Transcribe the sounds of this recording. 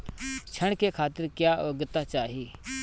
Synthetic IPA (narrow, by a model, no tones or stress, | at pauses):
t͡ʃʰəɳ̃ɽkekʰaːt̪ɪɾkjaːəɡət̪at͡ʃaːɦiː